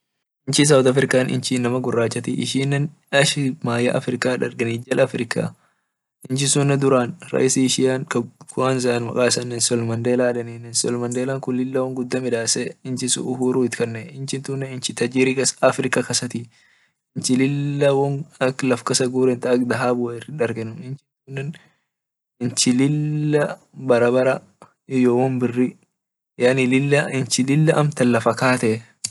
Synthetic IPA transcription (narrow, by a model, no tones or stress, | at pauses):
ɪnt͡ʃɪs̬ɐwd̪ɐfɾɪkaːnʔɪ̰nt͡ʃiːnːɐmɐɡʊrːaːt͡ʃːɐt̪ɪʔɪ̰ʃiːnːɛn | ɐʃɪmaːjɐʔɐ̰fɾɪkaːᶑɐ̰ɾɡɐnɪd͡ʒɐlʔɐfɾɪkʰa̰ː | ɪnt͡ʃɪsʊnːɛd̪ʊɾaːnɾɐ̰ʔɪsiʃɪjaːnkɐkʊaːnzɐnmɐ̰kʼaːsɐnːɛnsɔlmɐnd̪eːlaːᶑɐninɛnsɔlmɐnd̪eːlaːŋkʊnlɪlːɐwɐŋɡʊd̪ːɐmɪᶑaːsɛɪnt͡ʃɪsʊ̰ʔʊhuːɾuːɪt̪ɪ̥kɐnːɛɪnt͡ʃɪnt̪unːɛɪnt͡ʃɪt̪ɐd͡ʒiɾikɐsɐfɾɪkɐkɐsɐt̪i | ɪnt͡ʃɪlɪlːɐwɔnɐklɐfkɐsɐɡuːɾɛnt̪ɐɐkd̪ɐɦaːbʊɐɪrɪᶑɐɾɡɛnːʊmɪnt͡ʃɪnt̪unːɛn | ɪnt͡ʃɪlɪlːɐ | bɐɾɐbɐɾɐ | ɪjowɔmbɪrːɪ | janɪlɪlːɐɪnt͡ʃɪlɪlːɐʔɐmt̪ɐlːɐfɐkaːt̪ɛ